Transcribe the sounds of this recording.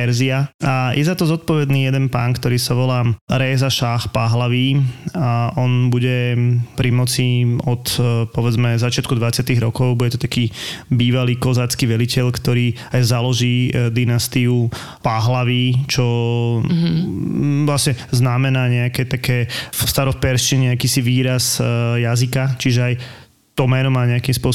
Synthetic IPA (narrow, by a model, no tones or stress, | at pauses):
pɛɾziaʔajʔɛzat̪ɔzɔt̪̚pɔʋɛd̪niːjɛd̪ɛnpaːnkt̪ɔɾiːsaʋɔlaːɾɛːzaʃaxpaɦlaʋiːaʔɔnbuɟɛpɾimɔt͡siɔt̪pɔʋɛd͡zmɛzat͡ʃɪat̪̚kud̪ʋat͡sɪat̪iɣɾɔkɔʊbuɟɛt̪ɔ̥t̪akiːbiːʋaliːkɔzaːt͡skiːʋɛlicɛʎkt̪ɔɾiː | ajzalɔʒiːd̪inast̪iu | paɦlaʋiːt͡ʃɔ | ʋlasɲɛznamɛnaːɲɛakɛːt̪akɛːst̪aɾɔfpɛɾʃʃt͡ʃiɲɛakiːsiʋiːɾasjazikat͡ʃiʒɛaj | t̪ɔmɛːnɔmaːɲɛakiːmspʊɔ